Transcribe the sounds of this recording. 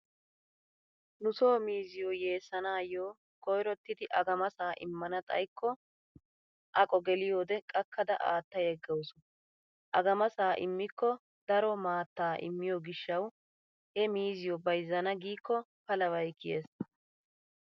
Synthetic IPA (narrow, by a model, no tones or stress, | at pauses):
nʊsoːmiːzɪjɔje̞ːsːɐnaːjoː | kɔjɾɔt̪ːɪd̪ɪʔɐɡɐmɐsaːʔɪ̰mːɐnɐt̪ʼɐ̰jkːɔ | ʔɐkʼɔɡɛlɪjo̞ːd̪ɛkʼɐkːɐd̪ɐʔa̰ːt̪ːɐjɛɡːɛwʊsʊ | ʔɐɡɐmɐsaːʔɪ̰mːɪkːɔ | d̪ɐɾɔmaːt̪ːaːʔɪ̰mːɪjoɡɪʃːɐw | hɛmiːzɪjɔbɐjzːɐnɐɡiːkːɔpɐlɐwɐjkːɪjeːs